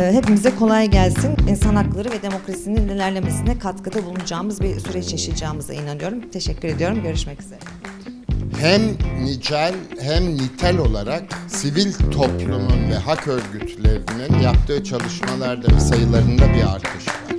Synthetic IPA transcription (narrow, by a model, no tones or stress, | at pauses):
ɦe̞pimizɛkʰo̞lˠajɟælʲsininsanhaklˠaɾɯvɛd̪e̞mo̞kɾasininlilʲæɾlʲe̞me̞sinɛkʰat̪kɯd̪abulˠunud͡ʒaːmɯzbisyɾɛt͡ʃjaʃɯd͡ʒaːmɯza̰inanɯjo̞ɾumt̪ʰe̞ʃɛcʰːyɾe̞d̪ijo̞ɾumɟø̞ɾyʃmɛci̥zeɾɛ | hæmnid͡ʒælʲhæmnit̪ʰælʲo̞lˠaɾaksivilʲt̪ʰo̞plˠumunvɛɦakøɾɟyt̪ʰlʲeɾininjap̚t̪ʰɯːt͡ʃʰalˠɯʃmalˠaɾd̪avɛ̰sajɯlˠaɾɯnd̪abia̰ɾt̪ʰɯʃɯlaɾ